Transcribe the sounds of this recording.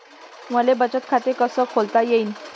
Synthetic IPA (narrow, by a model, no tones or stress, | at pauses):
məlebət͡ɕət̪kʰat̪ekəsəːkʰolt̪ajeiːn